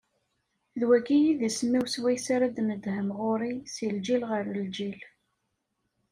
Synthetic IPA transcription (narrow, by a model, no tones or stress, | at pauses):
ðwækːijiðisəmːiwswæjsaɾad̪nəd̪həmʁʊɾisild͡ʒilʁəɾəld͡ʒil